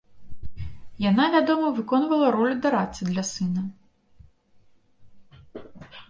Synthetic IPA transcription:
janavʲad̪ɔmɐvɨkɔnvɐlˠɐɾɔlʲud̪aɾasʲɨd̪lʲɐsɨnɐ

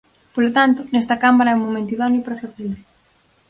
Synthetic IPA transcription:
polot̪ant̪ʊnɛst̪ɐkamaɾaɛumːomẽnt̪uðɔnuipɾafaθile

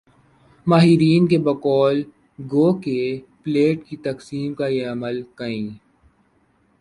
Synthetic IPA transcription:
maːɦiɾiːnkebɐkɔːl | ɡoːkepleːʈkit̪ɐksiːmkajeɐməlkɐĩː

